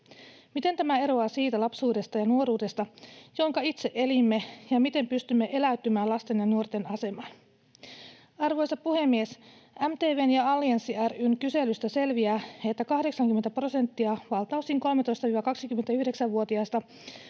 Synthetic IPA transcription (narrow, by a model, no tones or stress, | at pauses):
mit̪e̞nt̪æmæe̞ɾo̞ɑsiːt̪ælɑpsuːde̞st̪ɑjɑnuo̞ɾuːde̞st̪ɑjo̞ŋkɑit̪seʔe̞limːe̞jɑmit̪e̞mpyst̪ymːe̞ʔe̞læyt̪ːymæːlɑst̪e̞njenːuo̞rt̪e̞nɑse̞mɑn | ɑrʋo̞jsɑppuhe̞mːiesæmt̪eːʋeːnjɑɑlːiensiæryŋkyse̞lyst̪æse̞lʋiæːet̪ːækɑhde̞ksɑŋk̟ymet̪æpro̞se̞nt̪ːiɑʋɑlt̪ɑusiːŋko̞lmet̪o̞jst̪ɑʋiːʋɑkɑksikyme̞nt̪æyhde̞ksæʋʋuot̪iɑst̪ɑ